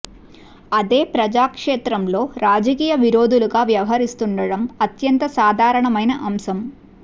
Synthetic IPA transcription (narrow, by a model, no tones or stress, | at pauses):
ɐd̪eːpɾɐd͡ʒaːkʂeːt̪ɾɐmlo̞ːɾaːd͡ʒɐkiːjɐʋiɾo̞ːd̪uluɡaːʋjɐʋɐɦɐɾist̪uɳɖɐɽɐmɐt̪jɐnt̪ɐsaːd̪ʱaːɾɐɳɐmɐjnɐʔɐmsɐm